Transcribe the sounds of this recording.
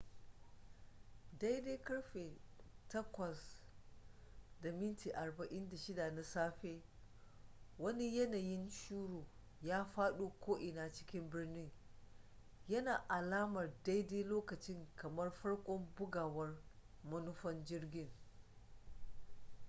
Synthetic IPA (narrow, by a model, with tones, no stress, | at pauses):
da˦jde˦kɐ˦ɽɸe˨tɐ˦kʷɐ˨s | da˨mɪ˦nti˨ʔa˨rbɐ˨ʔɪ˦nda˨ʃɪ˦da˨na˨saː˦ɸeː˦ | wɐ˦ni˦jɐ˦naː˨jɪ˦nʃuː˦ɽuː˨ | jaː˦ɸaː˦ɗu˦kʷoː˦ʔɪ˨naː˦t͡ʃɪ̥˦kʲɪ˦mbɪ˦rnɪ˦ŋ | jɐ˦naː˨ʔa˨laː˦mɐ˨rda˦jdeː˦loː˦kɐ˨t͡ʃɪ˦ŋkɐ˨mɐ˦rɸɐ˦ɽkʷʼɔ˦mbʊ˦ɡaː˨wɐ˦r | mɐ˦nʊ˦ɸɐ˦nd͡ʒɪ˦rɡʲɪ˦ŋ